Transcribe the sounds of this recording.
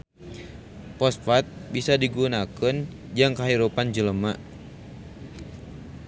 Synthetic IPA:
pɔsfat̪̚bisadiɡunakən | d͡ʒaŋkaɦiɾupand͡ʒələma

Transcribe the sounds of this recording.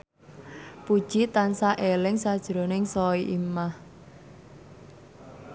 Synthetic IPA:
pud̥ʒ̥it̪ansaʔelɪŋsad̥ʒ̥ɾo̤nɪŋsɔiʔimah

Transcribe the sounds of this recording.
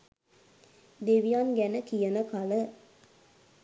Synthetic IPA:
d̪eʋijanɡænəkijənəkalə

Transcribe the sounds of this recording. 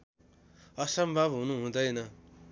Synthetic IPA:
ʌsʌmbʱʌbɦunuɦũd̪ʌjnʌ

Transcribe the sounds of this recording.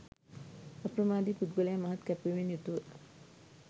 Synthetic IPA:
apɾəmaːd̪ipud̪̚ɡəlejamaɦat̪kæpʋiʋenjut̪uʋə

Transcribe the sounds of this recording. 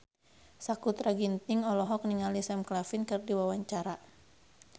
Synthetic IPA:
sakut̪ɾaɡint̪ɪŋɔlɔɦɔk̚niŋalisɛmklafinkɨrdiwawaɲt͡ʃaɾa

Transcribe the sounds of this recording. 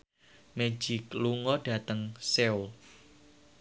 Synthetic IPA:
me̥d͡ʒ̥ɪkluŋɔɖ̥ä̤t̪əŋseul

